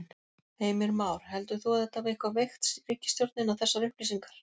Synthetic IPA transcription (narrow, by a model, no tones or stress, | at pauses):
eːjmɪɾmaːwɾ̥hɛlt̪ʏ̥θuaðɛht̪ːavɪhkvavejxt̪sɾiːcːɪst̪jɔwɾt̪nɪnawθɛsːaɾʏhpliːsiŋkaɾ̥